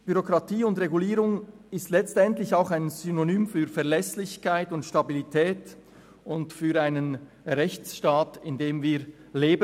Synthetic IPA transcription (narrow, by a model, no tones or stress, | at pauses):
b̥yʁokʁɑtʰiːʊndʁeɡuliːɾʊŋɪstlɛt͡stɛntlɪçaʊxaɪnzynonyːmfyːɾfɛɐlɛslɪçkaɪtʊntʃtabilitʰɛːt | ʊntfyːɾaɪnən | ʁɛçt͡sʃtaːtɪndeːmviːɾleːb